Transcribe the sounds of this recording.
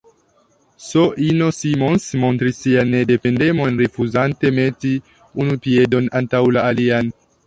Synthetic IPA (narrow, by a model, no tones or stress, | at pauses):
so̞ʔino̞simo̞nsmo̞ntɾisːianːe̞de̞pe̞nde̞mo̞nɾifuzante̞me̞ti | unupie̞do̞nantawlaːlian